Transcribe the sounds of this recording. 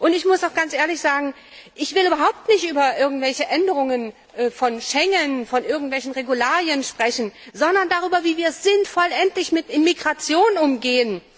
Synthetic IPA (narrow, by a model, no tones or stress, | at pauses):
ʔʊntɪçmʊsdaʊxɡ̥ant͡sʔeːɐlɪçz̥aːɡŋ̩ | ʔɪçv̥ɪlyːbɐɦaʊp̚tnɪçtʔyːbɐʔɪɐɡŋ̩tv̥ɛlçəʔɛndəʁ̞ʊŋən | ʔɛːfɔnʃɛŋənfɔnʔɪɐɡŋ̩tv̥ɛlç̬n̩ʁeɡulaːʁjənʃpʁ̥ɛçn̩zɔndɐndaːʁ̞yːbɐviːviːɐsz̥ɪntfɔlʔɛntlɪçmɪtʔɪnmiɡʁat͡sjoːnʊmɡeːən